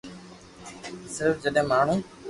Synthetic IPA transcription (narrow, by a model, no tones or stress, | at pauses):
sɪɾfd͡ʒəɗɦɪ̃ːmaːɳ̤ũː